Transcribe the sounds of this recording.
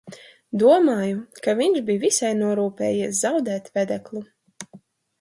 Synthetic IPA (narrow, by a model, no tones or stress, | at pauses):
d̪uɔmaːjukaviɲʃbijvisajnuɔɾuːpɛ̰ːjiɛszawd̪ɛːt̪vɛd̪ɛklˠu